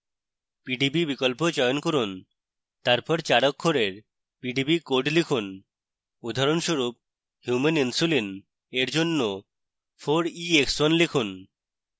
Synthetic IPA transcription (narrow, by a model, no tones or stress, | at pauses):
piɖibibikolpod͡ʑɔjonkoɾun | t̪aɾpɔɾt͡ɕaɽokʰːoɾeɾ | piɖibikoɖlikʰun | ud̪ʱaɾonʃoɾup̚ | hjumeninsulin | eɾd͡ʑonːo | fʰoɾiekswɔnlikʰun